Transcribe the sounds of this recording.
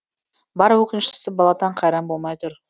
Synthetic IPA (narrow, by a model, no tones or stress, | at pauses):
bɑɾwɵkʲɪnʃɪ̥sɪbɑlˠɑt̪ɑɴqʰɑjɾɑmbo̞lˠmɑjt̪ʰʊɾ